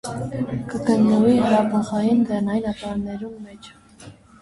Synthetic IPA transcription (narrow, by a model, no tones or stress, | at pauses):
kəɡənːəvihəɾɑpʰəχɑjind͡zɛrnɑjinɑt̪ɑmnɛɾumːɛt͡ʃʰ